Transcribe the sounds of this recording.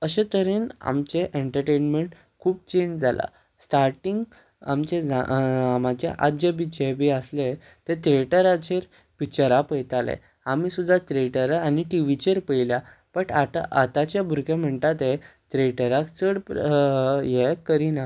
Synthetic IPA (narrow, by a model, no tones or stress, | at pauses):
əɕet̪əɾeːna̰mt͡ɕeʔeɳʈəɾʈenmeɳʈ | kʰuːb̚t͡ɕend͡ʑd͡zʱala̰ | sʈaɾʈiŋɡ | amt͡ɕed͡zaamãt͡ɕḛʔa̰t̪d͡ʑebid͡ʑebiəsle | t̪et̪ɾeʈəɾat͡ɕeɾ | pit͡ɕəɾapəjt̪alḛ | amiːsud̪ʱːat̪ɾeʈəɾaniʈiʋit͡ɕeɾpəilja | pəʈat̪a̰ʔat̪at͡ɕjabʱuɾkẽm̤əɳt̪at̪et̪ɾeʈəɾakt͡səɽp | jekːəɾina